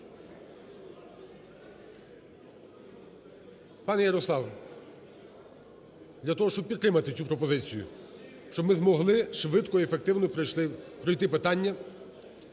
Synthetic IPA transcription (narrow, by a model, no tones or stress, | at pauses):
pɑnɛjɐɾɔslˠɑw | d̪lʲɐt̪ɔɦɔʃt͡ʃɔb̚pʲid̪t̪ɾɪmɐt̪ɪt͡sʲupɾɔpɔzɪt͡sʲijʊ̰ | ʃt͡ʃɔbmɪzmɔɦlˠɪʃʋɪd̪kɔiefek̚t̪ɪwnɔpɾɔjt̪ɪpɪt̪ɑnʲːɐ